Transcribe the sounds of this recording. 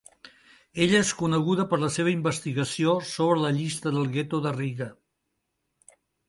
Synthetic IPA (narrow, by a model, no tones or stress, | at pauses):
eʎəeskunəɣ̞uðəpəɾləseβ̞əimbəst̪iɣəsiosoβɾələʎist̪əðəlˠɣet̪oðəriɣə